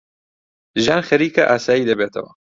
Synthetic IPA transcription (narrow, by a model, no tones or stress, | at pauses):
ʒaːnxɐɾiːkɐʔaːsaːjiːd̪ɐbeːt̪ʰɐ̰wɐ̰